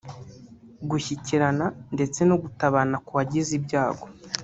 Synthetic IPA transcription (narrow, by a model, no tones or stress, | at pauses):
ɡuçiciɾanande̞t͡se̞noɡutaβanakuβaɟizibɟaːɡo̞